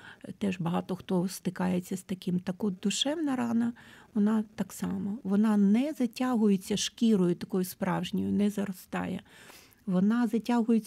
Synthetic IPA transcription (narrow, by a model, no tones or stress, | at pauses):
t̪ɛʒbɐɦɑt̪ɔxt̪ɔst̪ɪkɑjet͡sʲːɐst̪ɐkɪmt̪ɐkɔd̪ʊʃɛʋnɐɾɑnɐʋɔnɑt̪ɑksɑmɐʋɔnɑnɛzɐtʲaɦʊjet͡sʲːɐʃkʲiɾɔjʊt̪ɐkɔjʊspɾɑwʒnʲɔjʊnɛzɐɾɔst̪ɑ̰jɛ̰ | ʋɔnɑzɐtʲaɦʊjet͡sʲː